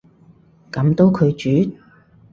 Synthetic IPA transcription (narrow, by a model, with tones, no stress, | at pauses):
kɐ˨˧˥mt̪o˥wkʰɵ˨˧ɥt͡ʃyː˨˥